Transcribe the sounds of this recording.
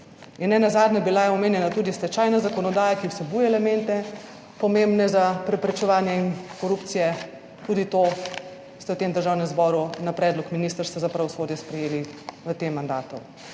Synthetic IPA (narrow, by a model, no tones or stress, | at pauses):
inːɛnazaːd̪nabilajɛɔmeːnjɛnat̪uːd̪ist̪ɛt͡ʃaːjnazakɔnɔd̪aːjakiwsɛbujɛɛlɛmɛnt̪ɛ | pɔmembnɛzapɾɛpɾɛt͡ʃɛʋaːnjɛinkɔɾupt̪sijɛ | t̪uːd̪it̪o | st̪ɛwt̪emd̪əɾʒaːwnɛmzbɔːɾunapɾɛːd̪lɔkminist̪əɾst̪azapɾɛʋɔsoːd̪jɛspɾɛjeːliʋət̪emːand̪a̰ːt̪u